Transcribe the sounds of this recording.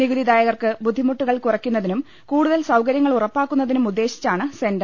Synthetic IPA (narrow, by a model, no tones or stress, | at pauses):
niɣuðid̪aːjɐɣɐrkɨbud̪ʱːimuʈːuɣɐɭkurɐkʲːunːɐðinum | kuːɽuðɐlsɐwkɐɾjɐŋːɐɭurɐpːaːkːun̪ːɐðinumud̪ːe̞ːɕi̥t͡ɕːaːɳɨsendɐ